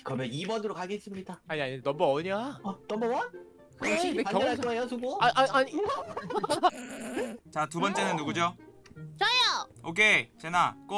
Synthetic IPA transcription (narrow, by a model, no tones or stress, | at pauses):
kʌmeibʌndɯɾok͈ʰaɡes͈ɯmɲidaaɲiaɲinʌmbʌʌɲanʌmbʌwa | kɕʰideakjʌaoejosʰuɡoaaaɲi | t͡ɕatubʌnt͡ɕ͈e̞nɯnːuɡud͡ʑo | t͡ɕajaokʰet͡ɕenak͈o